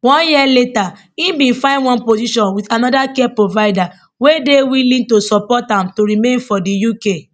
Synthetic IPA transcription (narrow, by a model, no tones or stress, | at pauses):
wɔ̃njiɛleta | ĩbĩnfãɪndwɔ̃npoziʃɔ̃nwitanɔdakɛpɹovaɪda | wedewilĩtosɔpɔtãmtoɾimẽnfɔdijuke